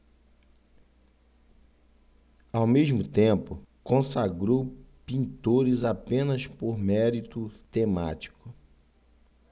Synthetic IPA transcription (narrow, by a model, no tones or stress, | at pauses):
awmezmʊt̪ẽpʊkõsaɡɾowpĩnt̪oɾɪzapẽnɐspoɾmɛɾit̪ʊt̪ema̰t͡ʃi̥kʊ